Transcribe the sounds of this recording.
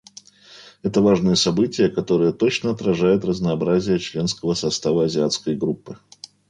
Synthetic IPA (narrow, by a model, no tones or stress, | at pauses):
ɛt̪əvaʐnɨjəsɐbɨtʲɪjəkɐt̪o̞ɾɨjət̪o̞t͡ɕnəɐt̪ɾɐʐajʊt̪rəznɐːbɾazʲɪjət͡ɕlʲe̞nskəvəsɐst̪avəɐzʲɪat̪skəjɡɾupːɨ